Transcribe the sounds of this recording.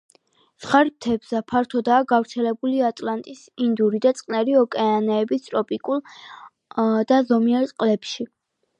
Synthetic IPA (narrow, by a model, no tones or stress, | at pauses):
sχaɾp̚t̪ʰɛbz̥apʰaɾt̪ʰɔd̪aːɡavɾt̪sʰɛlɛbuliat̪ʼlant̪ʼis | ind̪uɾid̪at̪sʼqʼnɛɾiɔkʼɛanɛːbist̪ʼɾɔpʼikʼulˠ | d̪̥azɔmiaɾt̪sʼqʼlɛpʃi